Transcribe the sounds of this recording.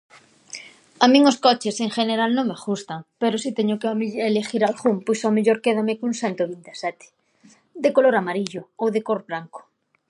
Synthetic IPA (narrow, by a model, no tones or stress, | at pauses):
amĩŋoskɔt͡ʃeseŋʃeneɾalnõŋmeɣust̪aŋpeɾosit̪ɛɲokeelexiɾalɣumpujsameʎoɾkeðamekuŋsant̪oβind̪asɛt̪ɪ̥ | d̪ekoloɾamaɾiʎʊowðekoɾβɾaŋko̥